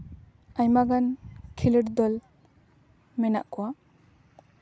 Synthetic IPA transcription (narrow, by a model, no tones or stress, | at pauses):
ajmaɡankʰiləɾd̪ɔl | mena̰ʔkuwa